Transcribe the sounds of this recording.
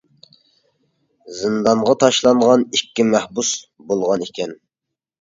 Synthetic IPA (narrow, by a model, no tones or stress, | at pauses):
zɨnd̪ɑɴʁɑt̪ʰɑʃlˠɑɴʁɑnikʲːimæhbusbolˠʁɑnikʲʰɛn